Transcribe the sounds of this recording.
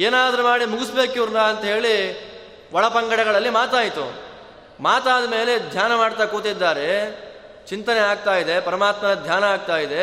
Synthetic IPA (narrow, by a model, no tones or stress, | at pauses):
eːnaːd̪ɐɾumaːɽimuɡisbe̞ːkiʋɾnaːɐnt̪ɐɦe̞ːɭi | ʋɐɭɐpɐŋɡɐɽɛɡɐɭɐlːimaːt̪aːjit̪ṵ | maːt̪aːd̪ɐme̞ːle̞d̪ʱjaːnɐmaːɽt̪aːkoːt̪id̪ːaːɾe̞ | t͡ʃint̪ɐneaːɡ̚t̪aːjid̪e̞pɐɾɐmaːt̪mɐnɐd̪ʱjaːnɐaːɡ̚t̪aːjid̪e̞